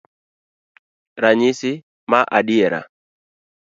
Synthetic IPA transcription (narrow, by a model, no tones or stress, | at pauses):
ɾaɲɪsɪ | maʔaɗɪɛɾa̰